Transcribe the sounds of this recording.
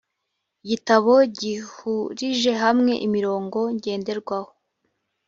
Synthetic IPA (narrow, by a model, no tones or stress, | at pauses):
ɟitaβo̞ɟihuɾiʒe̞ɦamŋe̞̰ʔimiɾo̞ːŋɡo̞ɲɟe̞ːnde̞ɾɡwaho